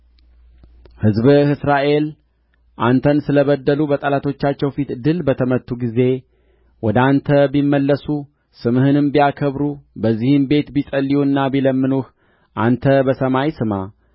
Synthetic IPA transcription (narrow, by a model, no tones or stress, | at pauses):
hɨzbhɨsɾaʔe̞l | ʔant̪ʰənsɨləβəd̪ːəlubət̪ʼəlat̪ʰo̞t͡ʃːat͡ʃːɛwfit̪ɨd̪ɨlbət̪ʰəmət̪ːuɡize̞ | wɔd̪ant̪ʰəbimːəlːəsu | sɨmhɨnɨmbijakʰəβɾubəzːihɨmbe̞t̪bisʼəlːiwuɨnːabiləmːɨnuh | ʔant̪ʰəbəsəmajsɨma